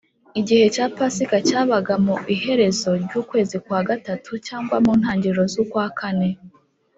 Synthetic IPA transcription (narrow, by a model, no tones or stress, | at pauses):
iɟihe̞caːpasikacaːβaɡamuihe̞ɾe̞zo̞ɾɟuːkwe̞ːzikwaːɡatatʰucaːŋɡwamuːnhaːɲɟiɾo̞zokwaːkʰane̞